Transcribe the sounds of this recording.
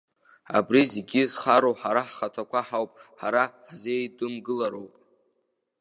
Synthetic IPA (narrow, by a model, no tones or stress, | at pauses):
a̰briziɡʲizχaɾowħaɾaħχatʰakʷʰaħawpʼħaɾaħzejdʼɨmɡɨlaɾo̞wpʼ